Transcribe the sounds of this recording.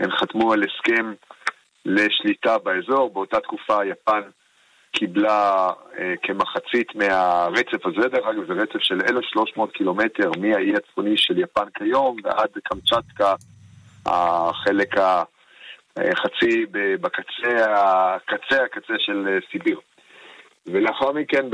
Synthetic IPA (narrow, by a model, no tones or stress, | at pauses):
enχatmueleskem | le̞ʃlitabaezo̞ʁbeo̞tat̪kufajapan | kʰiblaekʰemaχat͡sit̪meaʁet͡se̞vazedeʁaɡvezeʁet͡sevʃe̞lelefʃlo̞ʃmo̞ːt̪kilo̞mete̞ʁmiaiat͡sfoniʃeljapankʰajo̞mveʔad̪kamt͡ʃat̪ka | a̰χe̞le̞ka | χat͡sibebakat͡seakat͡sehakat͡seʃe̞lesibiʁ | veleaχaʁmiken